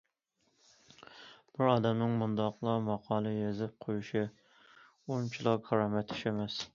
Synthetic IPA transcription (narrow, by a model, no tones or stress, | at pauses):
b̥ɪɾɑːd̪ɛmnɪŋmund̪ɑqlˠɑmɑqʰɑːlˠɨjezɪp̚qʰojuʃɪ | ont͡ʃʰilˠɑkʰɑɾɑːmɛt̪ʰɪ̥ʃemɛs